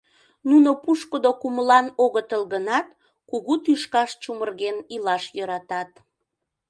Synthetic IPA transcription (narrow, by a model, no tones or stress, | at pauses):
nunopuʃkəd̪okuməlɑnoɣət̪əlɣənɑt̪̚ | kuɣut̪yʃkɑʃt͡ɕumərɣenilɑʃjɤɾɑt̪ɑt̪